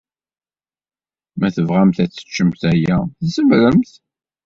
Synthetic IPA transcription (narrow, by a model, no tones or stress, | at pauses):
mæθəvʁæmθæt͡sːə̥t͡ʃːəmθæjæθæsəmɾəmθ